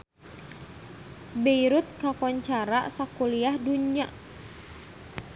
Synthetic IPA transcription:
beiɾʊt̪̚kakɔɲt͡ʃaɾasakuliahduɲiaʔ

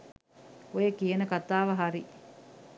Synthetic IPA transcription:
ojekienəkat̪aːʋɐɦaɾi

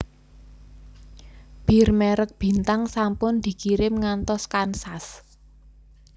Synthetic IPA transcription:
b̥i̤rmɛɾək̚b̥i̤nt̪aŋsampʊnd̪̥i̤kiɾɪmŋant̪ɔskansas

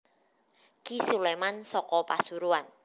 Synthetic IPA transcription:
kisulemansɔkɔpasuɾuan

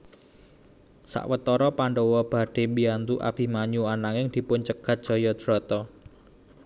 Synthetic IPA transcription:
sa̰ʔwət̪ɔɾɔpaɳɖɔwɔb̥a̤ɖ̥e̤biant̪uʔa̰b̥i̤hmaɲuanaŋɪŋd̪̥i̤pʊnt͡ʃəɡ̥ät̪̚ʒ̥ɔ̤jɔd̪̥ɾɔ̤t̪ɔ

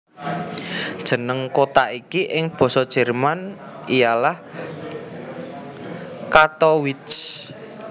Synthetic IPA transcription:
d̥ʒ̥ə̤nəŋkot̪aikiʔɪŋb̥ɔ̤sɔd̥ʒ̥ɛ̤rman | ijalah | kat̪ɔwɪt͡ʃ

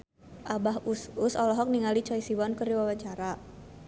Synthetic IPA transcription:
ʔabaɦusʊsɔlɔɦɔk̚niŋalit͡ʃɔisiwɔnkəriwawat͡ʃaɾa

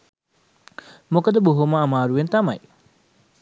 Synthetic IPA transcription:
mokɐd̪ɐboɦumɐːmaːɾuent̪ɐmɐj

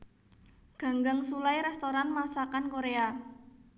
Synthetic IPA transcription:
ɡ̥a̤ŋɡaŋsulajɾɛst̪oɾanmasakankoɾea

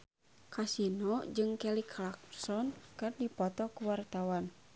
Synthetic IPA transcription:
kasinɔd͡ʒɨŋkɛlikʰlak̚sɔnkɨrdipɔt̪ɔkuwart̪awan

